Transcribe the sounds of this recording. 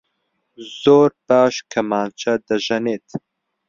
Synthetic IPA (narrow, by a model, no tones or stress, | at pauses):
z̥oːɾbaːʃkʰɐmaːnt͡ʃʰɐd̪ɐʒɐneːt̪